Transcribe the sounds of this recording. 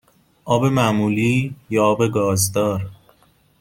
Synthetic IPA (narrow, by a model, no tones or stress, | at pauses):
ʔɒːbe̞mæmuːliːjɒɒːbeɡɒːzd̪ɒːɾ